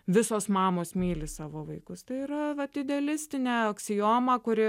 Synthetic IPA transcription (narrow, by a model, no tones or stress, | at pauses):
ʋʲɪsoːsmɑːmoːsmʲiːlʲɪsɑːʋoːʋɐɪkʊst̪ɐɪiːɾɐʋɐtd̪ʲɪd̪ʲɛɐlʲɪsʲt̪ʲɪnʲæːoːksʲɪjoːmɐːkʊɾʲɪ